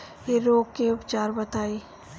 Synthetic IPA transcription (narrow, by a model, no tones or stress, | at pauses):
jeɾoːɡ̚keʊpt͡ʃaːɾbɐt̪aːiː